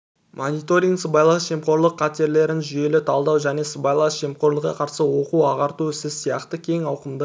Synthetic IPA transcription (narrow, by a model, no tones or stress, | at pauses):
mʔo̞nijt̪o̞ɾʲiŋɡsəbɑjlˠɑsʒe̞mqo̞ɾlˠəqʰːɑt̪e̞ɾle̞ɾɪnʒʏje̞lɪt̪ʰɑlˠd̪ɑwʒæne̞səbɑjlˠɑsʒe̞mqo̞ɾlˠəqqɑqʰɑɾsəwo̞quɑʁɑɾt̪uɪsɪzsijɑqt̪əkʲʰe̞ŋɑwqəmd̪ə